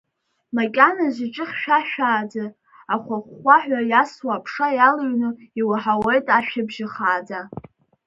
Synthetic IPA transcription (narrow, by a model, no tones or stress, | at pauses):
makʲʼanazʷiʈ͡ʂʼɨχʲʃᶣaʃᶣaːd͡za | aχʷaχʷaħʷᶣajaswapʰʂajalɨɥnɨiwaħawejtʼaʃᶣɪbʒɪχaːd͡za